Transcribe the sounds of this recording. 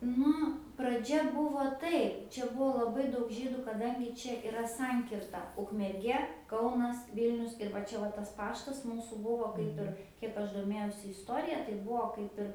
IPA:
ˈnʊ prɐˈd͡ʒʲɛ ˈbʊʋoː ˈtɐɪp t͡ʃʲɛ ˈbuɔ lˠɐˈbɐɪ ˈdɐʊk ˈʒʲiːdʊ kɐˈdɐŋʲɡʲɪ ˈt͡ʃʲɛ ɪˈrɐ ˈsɐŋʲkʲɪrtɐ ʊkmʲɛrʲˈɡʲiɛ ˈkɐʊnɐs ˈʋʲɪlʲnʲʊs ɪr ʋɐ ˈt͡ʃʲɛ ˈʋɐ tɐs ˈpɑːʃtɐs ˈmuːsuː ˈbʊʋoː ˈkɐɪp ɪr ˈkʲiɛk ɐʃ doːˈmʲeːjɛʊsʲɪ ɪsˈtoːrʲɪjɛ tɐɪ ˈbuɔ ˈkɐɪp ɪr

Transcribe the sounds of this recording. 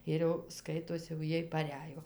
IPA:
ˈɪr jɛʊ ˈskɐɪtoːsʲɪ jɛʊ ˈjiɛj pɐˈrʲæːjoː

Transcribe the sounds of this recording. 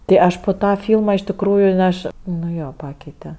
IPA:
tʲeː ˈɐʃ poː ˈtɑː ˈfʲiːlˠmɐ ɪʃ tʲɪkˈruːjʊ n ˈɐʃ nʊ ˈjoː ˈpɑːkʲɛɪtʲɛ

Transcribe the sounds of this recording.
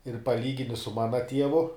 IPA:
ɪr pɐˈlʲiːɡʲɪnʲɪ sʊ ˈmɑːnɐ ˈtʲiɛʋʊ

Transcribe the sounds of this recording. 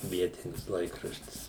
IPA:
ˈʋʲiɛtʲɪnʲɪs ˈlˠɐɪkrɐʃʲtʲɪs

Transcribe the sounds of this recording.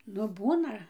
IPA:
ˈnʊ ˈbuːnɐ

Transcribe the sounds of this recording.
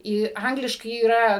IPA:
ˈiː ˈɐŋɡlʲɪʃkɐɪ iːˈrɐ

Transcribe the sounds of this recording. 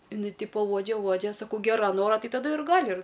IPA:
ɪˈnɐɪ ˈtʲɪpoː ˈuɔd͡ʒʲɛ ˈuɔd͡ʒʲɛ sɐˈkɐʊ ˈɡʲæːrɐ ˈnoːrɐ ˈtɐɪ tɐˈdʊ ɪr ˈɡɑːlʲɪ ɪr

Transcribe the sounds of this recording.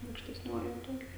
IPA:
ɐʊkʃʲtʲɛsʲˈnʲoːjoːj ˈtoːj

